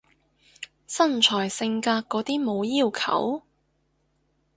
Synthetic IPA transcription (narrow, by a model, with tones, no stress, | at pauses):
sɐ˥˩nt͡ʃʰɔː˨˩jsɪ˧ŋkaː˧kkːɔː˨˥t̪iː˥mo˨˧wjiː˥˩wkʰɐ̰˨˥w